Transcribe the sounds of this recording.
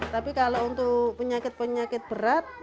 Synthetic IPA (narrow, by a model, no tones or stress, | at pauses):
t̪apikalount̪ʊkpəɲakɪt̪̚pəɲakɪt̪̚bəɾat̪̚